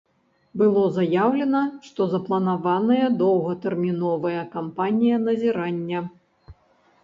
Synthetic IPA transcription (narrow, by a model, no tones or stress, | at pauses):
bɨlˠɔzajawlʲɛnɐʂt̪ɔzɐplˠɐnavanɐjɐd̪ɔwɣɐt̪ɛrmʲinɔvɐjɐkampanʲijɐnɐzʲiɾanʲːɐ